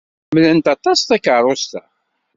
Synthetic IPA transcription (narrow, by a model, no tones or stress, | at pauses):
mlənt̪ɑt̪ˤːɑst̪ækəɾˤost̪æ